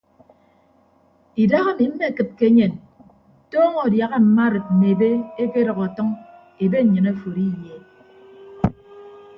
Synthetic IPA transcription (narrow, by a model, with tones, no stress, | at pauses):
i˨da˦ɣa˦˨mi˨m̩˦me˦˨kɨ˨p̚ke˦ɲe˨n | tɔː˦ŋo˨dja˨ɣa˦m̩˨ma˦ɾɨ˨t̚m̩˨me˨e˨be˦e˦ke˦ɾɔ˨ɣɔ˨tɔ˦ŋ | e˨be˦˨ɲɨ˨na˦˨fo˨ɾi˦˨jje˨